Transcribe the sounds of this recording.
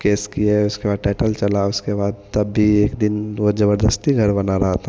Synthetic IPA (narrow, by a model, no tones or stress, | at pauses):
keːskieʊskebaːd̪̚ʈaːʈəlt͡ʃɐlaʊskebaːd̪̚t̪ɐbːieːkd̪ɪnʋod͡ʒɐbəɾd̪əst̪iɡʱɐɾbɐnaɾɐɦat̪ʰa